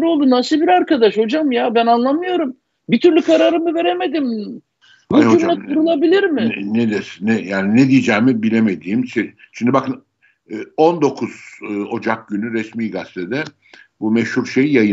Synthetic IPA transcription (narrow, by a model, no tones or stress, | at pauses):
ɾo̞lˠd̪unasibiɾaɾkad̪aʃho̞d͡ʒamjabænanlˠamɯjo̞ɾum | bit̪ʰyɾlʲykʰaɾaɾɯmɯve̞ɾe̞me̞d̪im | ɦud͡ʒumˠauɾulˠabilʲiɾmɪned̪esnɛjaːnined̪ijed͡ʒɛːmibilʲemed̪iːmse | t͡ʃʰind̪ibakʰɯn | ond̪o̞kʰuz̥o̞d͡ʒak̚ɟynyɾɛsmiːɡast̪ʰɛd̪ɛ | bumɛʃhuɾʃejjajɯ